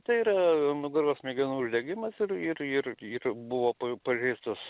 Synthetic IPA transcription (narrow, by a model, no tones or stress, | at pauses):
t̪ɐɪiːɾɐnʊɡɐɾɡoːsmʲɛɡʲɛnuːʊʒʲd̪ʲɛɡʲɪmɐsɪɾɪrɪrɪrbʊʋoːpɐpɐʒʲɛɪst̪ʊs